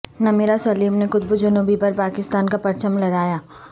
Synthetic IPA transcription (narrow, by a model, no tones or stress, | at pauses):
nameːɾasɐliːmnekʊt̪̚bəd͡ʒʊnuːbipɐɾpaːkɪst̪aːnkapɐɾt͡ʃəmlɐɾaːjaː